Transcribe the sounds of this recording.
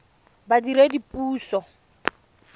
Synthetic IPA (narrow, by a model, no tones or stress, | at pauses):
badiɾedipʼuːsɔ